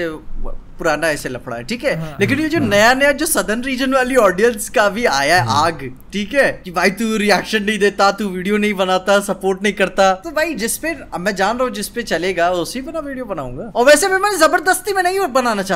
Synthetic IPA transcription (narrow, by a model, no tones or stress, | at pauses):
epʊɾaːnaɛːselɐpʰɽa̰ɦɛ̰ʈʰiːkɦɛleːk̬ɪnjed͡ʒonɐjanɐjad͡ʒoːsɐd̪ʱənɾiːd͡ʒənʋaːliɔːɖijənskabʱia̰ːjaɛʔaːɡʈʰiːkɦɛːkibʱaːit̪uɾiɛːkʃənːɐɦĩd̪eːt̪at̪uʋiːɖijonɐɦĩbɐnaːt̪asɐpoːɾʈnɐɦĩkɐɾt̪at̪obʱaːid͡ʒɪspemɛ̃ːd͡ʒaːnɾɐɦũd͡ʒɪspet͡ʃɐleːɡaːʊsibɪnaʋiːɖijobɐnaːṵ̃ːŋɡaːɔːɾʋɛːsemɛ̃ːmɛ̃ːnezɐbəɾd̪əst̪imɛ̃ːnɐɦĩbɐnaːnat͡ʃaːɦ